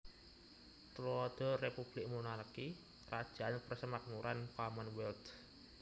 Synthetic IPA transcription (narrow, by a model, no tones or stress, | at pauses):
t̪lɔd̪̥ɔ̤repub̥lɪk̚munarki | rad̥ʒ̥a̤anpərsəmak̚nuɾʔanpamanwɛlt̪